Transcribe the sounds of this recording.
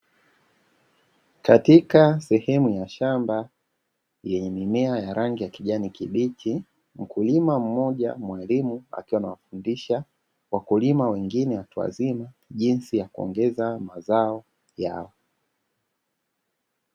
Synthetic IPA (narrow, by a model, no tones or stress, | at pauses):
katikasɛhɛmujaʃamba | jɛɲɛmimɛajaɾaŋɡijakiʄanikiɓitʰi | m̩kulimam̩mɔʄa̰mwalimua̰kiwanawafundiʃa | wakulimawɛŋɡinɛhatua̰zima | ʄinsijakuɔ̰ŋɡɛzamazaɔ | ja̰wɔ